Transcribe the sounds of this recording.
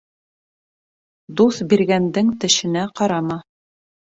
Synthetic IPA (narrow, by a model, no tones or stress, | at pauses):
d̪uθbiɾɡænd̪ɘŋt̪ɘ̆ʃɘ̆næqɑɾɑmɑ